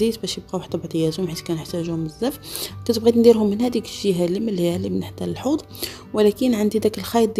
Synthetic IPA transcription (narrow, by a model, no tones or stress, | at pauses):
izbæʃjəb̚qæwħt̪æbʕt̪ˤəjæzʊmħit̪kænəħt̪æʒuhʊməzːæfkæt̪əbɣid̪nd̪iɾhʊmːənhæd̪ikə̥ʃiɦæliməlːiælimənħt̪ːæləlħud̪ˤ | wəlækənʕand̪id̪ækəlxɑjd̪̚ˤ